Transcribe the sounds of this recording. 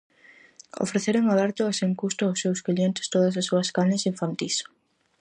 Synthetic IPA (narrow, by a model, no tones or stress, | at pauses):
o̰fɾeθeɾoŋaβɛɾt̪ʊaseŋkust̪ʊawsːewskʎent̪ɪ̥st̪oð̞ɐsasːuɐskaɲesiɱfant̪is